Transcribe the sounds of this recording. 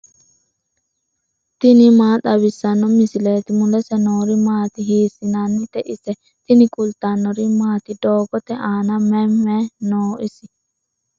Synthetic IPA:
t̪ɪnɪmaːt̪ɐbɪsːɐnːɔmɪsɪleːt̪ɪmʊlɛsɛnoːɾimaːt̪ɪɦiːsɪnɐnːɪt̪ɛʔɪsɛ | t̪ɪnɪkʼʊlt̪anːɔɾimaːt̪ɪd̪oːɡɔt̪ɛʔaːnɐmɛmːɛnoːʔɪsɪ̥

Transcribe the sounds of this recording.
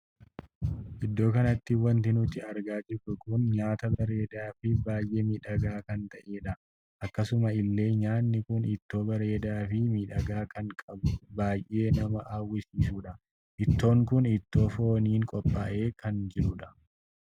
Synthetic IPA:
ʔɪd̪ːo̞ːkɐnɐt̪ːɪwɐnt̪ɪnʊt̪ːɪɐɾɡaːd͡ʒɪɾʊkʊnɲaːt̪ɐbɐɾe̞ːd̪aːfɪbaːjʔeːmiːᶑɐɡaːkɐnt̪ɐʔe̞ːᶑɐ | ʔɐkːɐsʊmɐɪlːe̞ːɲaːnːɪkʊnɪt̪ːo̞ːbɐɾe̞ːd̪aːfɪmiːᶑɐɡaːkɐŋkʼɐbʊbaːjʔe̞ːnɐmɐʔaːwːɪsiːsuːᶑɐ | ʔɪt̪ːo̞ːŋkʊnɪt̪ːo̞ːfo̞ːniːŋkʼɔpʼːaːʔe̞ːkʰɐnd͡ʒɪᶑʊᶑɐ̥

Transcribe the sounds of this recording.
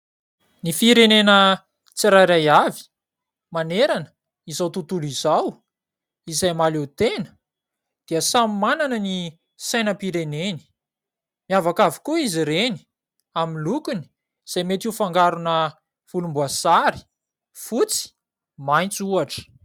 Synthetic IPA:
nifiɾenenə | t͡siɾajɾajavi̥ | maneɾanə | izawt̪ut̪ulizaw | izajmalewt̪enə̥ | d̪̥iəsammananəni | sajnəpiɾeneni̥ | miavakavi̥kuiziɾeni̥ | aminlukuni̥ | iz̥ajmet̪iufaŋɡaɾunə | fulumbuasaɾi̥ | fut͡si̥ | majnt͡suaʈ͡ʂə̥

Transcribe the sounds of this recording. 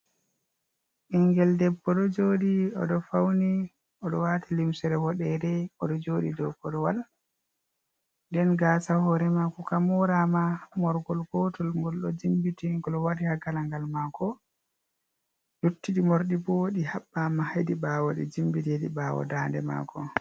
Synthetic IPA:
ʔiŋɡɛldɛbːɔɗɔd͡ʒoːɗiɔ̰ɗɔfawni | ɔɗɔwaːtʰilimsɛɾɛhɔɗɛdɛɔɗɔd͡ʒoːɗḭdɔkɔɗɔwal | ndɛnɡaːsahɔɾɛmakɔkamɔɾamamɔɾɡɔlɡɔtɔlmɡɔlɗɔd͡ʒimbitiŋɡɔlɔwaɾihaɡalaŋɡalmakʰɔ | jutːiɗimoɾɗiboːɗihaɓːamahadiɓaːwɔɗɛ̰d͡ʒimbidedibaːwɔ̰daːndɛ̰ma̰ːkʰɔ

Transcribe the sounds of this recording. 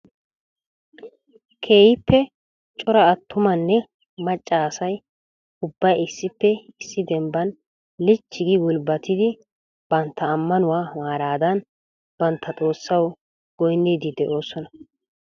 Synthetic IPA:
kʰe̞ːjɪpːɛ | t͡ʃʼɔɾɐːt̪ːʊmɐnːɛ | mɐt͡ʃʼːaːsɐj | ʊbːɐjɪsːɪpːɛɪsːɪd̪ɛmbɐn | lɪt͡ʃːɪɡɪwʊlbɐt̪ɪd̪ɪ | b̥ɐnt̪ːɐːmːɐnʊwaːmaːɾaːd̪ɐn | b̥ɐnt̪ʰːɐt̪ʼo̞ːsːɐw | ɡ̥ɔjnːiːd̪ɪd̪ɛʔo̞ːsɔnɐ

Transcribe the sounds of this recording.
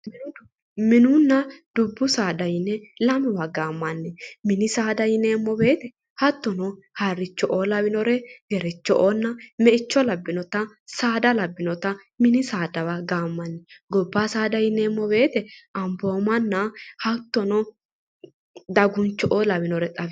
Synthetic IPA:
m | mɪnʊnːɐd̪̥ʊbːʊsaːd̪ɐjɪnːɛlɐmɛwaɡaːmːɐnːɛmɪnɪsaːd̪ɐjɪneːmːɔbe̞ːt̪ɛ | hɐt̪ːɔnɔ | hɐrːɪt͡ʃːɔʔɔlɐwɪnɔɾɛɡɛɾɛt͡ʃːɔʔɔnːɐmɛʔɪt͡ʃːɔlɐbːɪnɔt̪ɐ | saːd̪ɐlɐbːɪnɔt̪ɐ | mɪnɪsaːd̪ɐwaɡaːmːɐnːɛɡɔbːaːsaːd̪ɐjɪneːmːɔbe̞ːt̪ɛɐmboːmɐnːɐhɐt̪ːɔnɔ | d̪ɐɡʊnt͡ʃːɔʔɔlɐwɪnɔɾɛtʼɐf

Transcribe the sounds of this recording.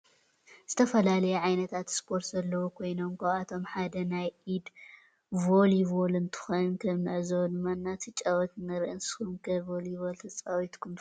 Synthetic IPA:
z̥ɨt̪ʰɐfɐlalɐjɛʕajnɐt̪ʰat̪spʰo̞ɾt̪zɐlːɐwukʰo̞jno̞mkʰoat̪ʰo̞mħad̪ɐnajʔid̪ | voliβolɨnt̪ʰɨ̥xonnkʰɐmnɨʕzɐwnmanːat̪ʰɨt͡ʃʼɐwɔt̪nɐɾʔɨnsxumkʰɐvoliβolt̪ʰɐt͡sʼawit̪kʰun

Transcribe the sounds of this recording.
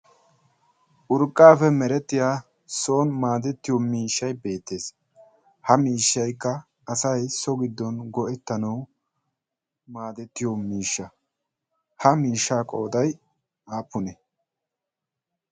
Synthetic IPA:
ʔʊɾkʼːaːfɛmɛɾɛt̪ːɪjaː | soːnmaːd̪ɛt̪ːɪjɔmiːʃːɐjbe̞ːt̪ːe̞ːs | hɐmiːʃːɐjkːɐ | ɐsɐjsɔɡɪd̪ːɔnɡɔʔɛt̪ːɐnɐw | maːd̪ɛt̪ːɪjɔmiːʃːɐ | hɐmiːʃːaːkʼo̞ːd̪ɐj | ʔaːpːʊnɛ

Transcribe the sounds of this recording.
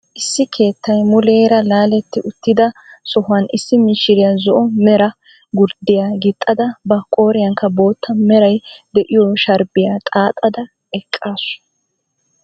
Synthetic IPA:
ʔɪsːɪkʰe̞ːt̪ːɐjmʊleːɾɐlaːlɛt̪ːɪʔʊt̪ːɪd̪ɐsɔhʊɐnɪsːɪmɪʃːɪɾɪjazɔʔɔmɛɾɐ | ɡʊɾd̪ɪjaːɡɪt̪ʼːɐd̪ɐbɐkʼoːɾɪjɐŋkːɐbo̞ːt̪ʰːɐmɛɾɐjd̪ɛʔɪjoʃɐɾbɪjaːt̪ʼaːt̪ʼːɐd̪ɐ | ɛkʼːaːsʊ̥

